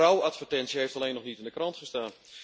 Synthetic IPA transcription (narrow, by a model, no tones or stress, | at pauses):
awatfərtɛntsjəheftaleːnɔχnitɪndəkrɑntχəstaːn